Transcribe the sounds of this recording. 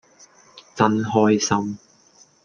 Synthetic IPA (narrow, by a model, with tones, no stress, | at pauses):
t͡sɐ˧nɦɔː˧jsɐ˧m